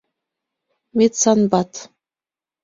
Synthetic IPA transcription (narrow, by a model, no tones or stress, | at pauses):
met̪sɑnbɑt̪